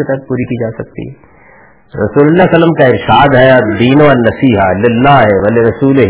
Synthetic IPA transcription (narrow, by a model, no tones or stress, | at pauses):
et̪ɛt̪̚puːɾikid͡ʒaːsɐk̚t̪ḭɦɛ | ɾɐ̰suːlʊlːasɐlːəmkaɪɾʃaːd̪ɦɛd̪iːnoɐlnɐsiːɦalɪlːaːɦeʋɐleɾɐsuːleɦ